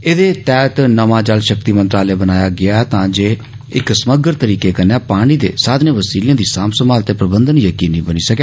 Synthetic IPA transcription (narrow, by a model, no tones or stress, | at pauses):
eːd̪eːt̪ɛːt̪nəmãːd͡ʒəlʃəkt̪iːmə̃nt̪ɾaːleːbənaːjaːɡɪaːt̪ãːd͡ʒeː | ɪksəməɡəɾt̪əɾiːkeːkənːeːpaːɽ̃iːd̪ḛːsaːd̪nẽːʋəsiːljãːd̪iːsaːmsəmaːlt̪eːpɾəbənd̪ənjəkiːnĩːbəniːsəkeː